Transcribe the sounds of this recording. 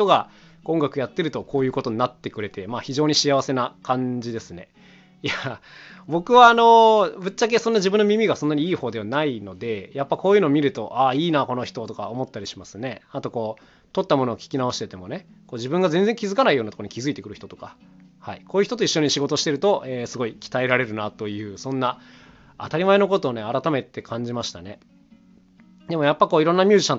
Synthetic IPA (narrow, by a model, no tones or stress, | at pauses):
ç̥t̪o̞ɡa | kõŋɡakɯ̟jat̪ːe̞ɾɯ̟t̪okʰo̞ːjɯ̟ːko̞t̪o̞ɲnat̪ːe̞kɯ̟ɾe̞t̪e̞maçiʑo̞ːɲ̟iɕiaβase̞nakʰãɲd͡ʑid̪e̞sɨne̞ | ja | bo̞kɯ̟βaːno̞bɯ̟tt͡ɕːak̬e̞sõnːaʑibɯ̟nːomʲimʲiɡasõ̞nːaɲ̟iiːho̞ːd̪e̞βanaino̞d̪e̞japːako̞ːjɨɯ̟noːmʲiɾɯ̟t̪o̞ʔaiːnako̞no̞çi̥t̪o̞t̪okaomo̞t̪ːaɾʲiɕimasɨne̞at̪o̞ko̞ː | t̪o̞t̪ːamo̞no̞ːkʲi̥kʲinao̞ɕit̪e̞t̪e̞mo̞ne̞ | koːd͡ʑibɯ̟̃ŋɡazẽ̞nd͡zeŋkʲizɨkanaijo̞ːnat̪okoɲikʲizɨit̪e̞kɯɾɯ̟ç̥it̪ot̪o̞kahaikoːjɯ̟çi̥t̪ooiɕːo̞ɲ̟iɕiɡo̞t̪o̞ɕi̥t̪e̞ɾɯ̟t̪o̞ʔeːsɨɡo̞ikʲi̥t̪aeɾaɾe̞ɾɯ̟nat̪o̞jɯ̟ːsõ̞nːa | a̰t̪aɾʲimae̞no̞k̬o̞t̪o̞ːne̞aɾat̪ame̞t̪e̞kʰãɲ̟d͡ʑimaɕi̥t̪ane̞ | d̪e̞mo̞japːakoːiɾõ̞nːamʲjɨ̟ːʑiɕãn